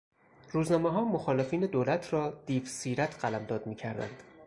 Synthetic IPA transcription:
ɾuːznɒːmeɦɒːmoxɒːle̞fiːne̞d̪oːlæt̪ʰrɒːd̪̥iːfsiːɾæt̪ʰɢælæmd̪ɒːd̪miːcʰæɾd̪æ̰nd̪̥

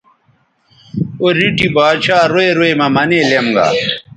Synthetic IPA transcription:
oɾiʈibaːt͡ɕʰaːɾoeɾoemɐmɐneːlemɡa̰ː

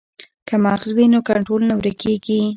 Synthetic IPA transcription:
kamɑɣzwinokaɳʈɾolnawɾekeɡi

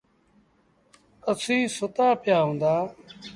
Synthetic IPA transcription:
əsĩːsʊt̪aːpɪjaːɦũːnd̪aː

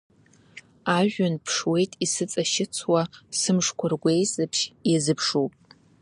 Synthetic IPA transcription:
aʒᶣʊnpʰʂwe̞jtʼisɨt͡sʼaʃɪt͡sʰwasɨmʂkʷʰarɡʷejsʼɨpʰʃjazɨpʰʂopʼ

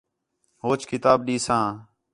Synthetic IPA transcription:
ɦoːt͡ʃkɪt̪aːbɗiːsãː

